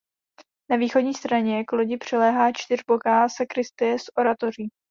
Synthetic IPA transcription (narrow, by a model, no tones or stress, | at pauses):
naviːxo̞dɲiːst̪ɾaɲɛkloɟɪpr̝̥ɛlɛːɦaːt͡ʃt̪ɪr̝bo̞kaːsɛkɾɪst̪ɪjɛsʔo̞ɾat̪o̞r̝iː